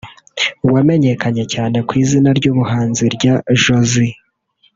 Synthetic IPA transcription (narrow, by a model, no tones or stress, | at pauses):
uwame̞ɲe̞kaɲe̞caːne̞kwiːzinaɾɟuːβuɦaːnziɾɟaʒo̞zi